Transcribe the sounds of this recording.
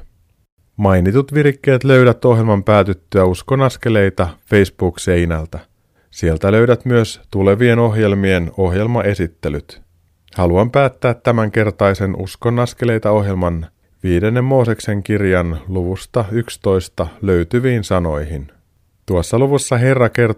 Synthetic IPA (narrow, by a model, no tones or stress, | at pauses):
mɑjnit̪ut̪ʋirkːe̞ːt̪lø̞ɥdæt̪o̞ɦje̞lmɑmpæːt̪yt̪ːøæusko̞nɑske̞le̞jt̪ɑfe̞jsb̥uːkse̞jnælt̪æ | sie̞lt̪ælø̞ɥdæt̪myøst̪ule̞ʋie̞no̞ɦje̞lmie̞no̞ɦje̞lmɑe̞sit̪ːe̞lyt̪ | hɑluɑmpæːt̪ːæːt̪ːæmæŋke̞rt̪ɑjse̞nʔṵsko̞nɑskele̞jt̪ɑo̞ɦje̞lmɑn | ʋiːde̞nːe̞mːo̞ːse̞kse̞ŋkirjɑnluʋust̪ɑykst̪o̞jst̪ɑlø̞ɥt̪yʋiːnsɑno̞jhin | t̪uɑsːɑluʋusːɑɦe̞rːɑke̞r